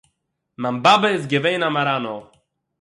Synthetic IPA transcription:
mambabɛzɡʲɛvɛjnamaɾano

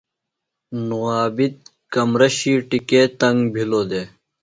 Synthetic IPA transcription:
nuaːbit̪̚ | kɐmɾɐɕiːʈikeːt̪ɐŋɡbʱiloːd̪eː

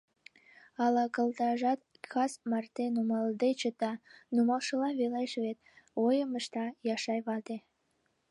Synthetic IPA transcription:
ɑlɑkə̆lt̪ɑʒɑt̪ | kʰɑsmɑrt̪enumɑld̪et͡ɕət̪ɑnumɑlˠʃəlɑβelɑjʃβet̪̚ojəməʃt̪ɑjɑʃɑjβɑd̪e

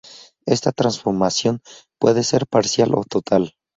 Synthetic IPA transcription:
e̞st̪at̪ɾansfo̞ɾmasjo̞npwe̞ðese̞ɾpaɾsjalʔo̞̰t̪ot̪ʰal

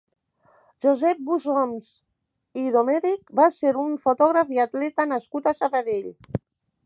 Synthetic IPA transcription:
ʒuzɛp̚buzomz | iðomɛɾik̚baseɾuɱfut̪ɔɣɾafiat̪lɛt̪anaskut̪asaβaðeʎ

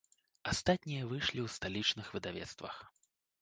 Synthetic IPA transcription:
ast̪at̪ʲnʲijɐvɨʂlʲiwst̪alʲit͡ʂnɨxvɨd̪avʲɛ̰t̪st̪vɐ̰x

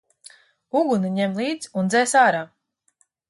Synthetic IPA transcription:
uɡunaɲɛmlˠiːd̪zund̪zɛːsaːɾaː

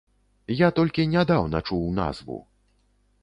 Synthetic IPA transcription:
jat̪ɔlʲkʲinʲad̪awnɐt͡ʂuwna̰zvṵ

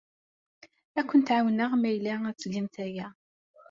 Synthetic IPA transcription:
ækʷːənt̪ʕawnəʁmæjlææt͡sːlimθæjæ

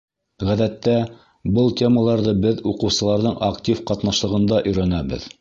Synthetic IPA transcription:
ʁæðæt̪ːæ | bɤlˠtʲʰe̞məlˠɑɾðɤbɘðuqɤ̆wsɤ̆lˠɑɾðɤɴʔaktʲifqɑt̪nɑʃlˠɤ̆ʁɤ̆nd̪ɑʔɵ̆jɾænæbɘ̰ð

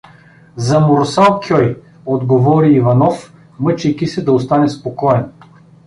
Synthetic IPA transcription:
zɐmoɾsalˠkʲɔj | od̪ɡovɔɾiːvɐnɔf | mɤt͡ʃɛjkisɛd̪ɐost̪anɛspokɔɛn

